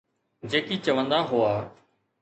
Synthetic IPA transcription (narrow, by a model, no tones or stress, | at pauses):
d͡ʒeːkiːt͡ʃəʋə̃nd̪aːɦʊaː